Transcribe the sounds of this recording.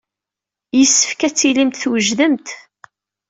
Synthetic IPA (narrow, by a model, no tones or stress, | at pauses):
jəsːəfkæt͡sːilimt̪θwəʒðəmt̪